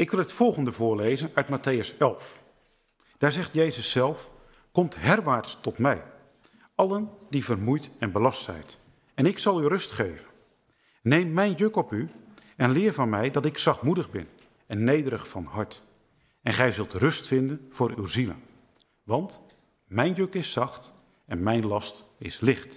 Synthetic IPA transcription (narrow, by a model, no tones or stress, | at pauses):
ɪkʋɪlˠətfɔlˠɣəndəvʊːɹlejzənœɥtmatejəsɛlˠf | d̥aːɹzɛχtjejzəsɛlˠf | kɔmtɦɛrʋaːɹtstɔtmɛj | ɑlˠəndivərmujtɛnbəlɑstsɛ̰jt | ɛnɪksɑlˠywrɵstχejvən | nejmːɛjnjøkɔpyɛnlɪːrvɑnmɛjdɑtɪksɑχtmudəχbɪn | ɛnːejdəɾəχfɑnɦɑɹt | ɛnχɛjzɵlˠtrɵstfɪndənv̥ʊːɾywzilə̰n | ʋɑnt | mɛjnjøkɪsɑχt | ɛnmɛjnlɑstɪ̰slɪχt